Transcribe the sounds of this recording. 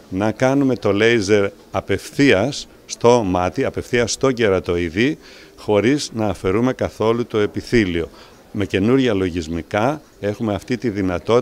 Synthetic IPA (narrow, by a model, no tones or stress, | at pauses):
nɐkɐnume̞t̪o̞le̞jze̞ɾ | ɐpe̞fθiɐsː | t̪o̞mɐt̪iɐpe̞fθiɐst̪o̞ɟe̞ɾɐt̪o̞iði | xo̞ɾiznɐːfe̞ɾume̞kɐθo̞lut̪o̞e̞piθilio̞ | me̞ce̞nuɾʝɐlo̞ʝizmikɐ | e̞xumeɐft̪it̪iðinɐt̪o̞